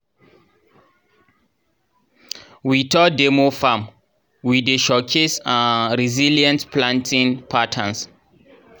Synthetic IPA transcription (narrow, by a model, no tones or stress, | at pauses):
witʰɔdemofãm | wideʃɔkʰisãnɹiziljãntpʰlãntʰĩnpʰatʰãns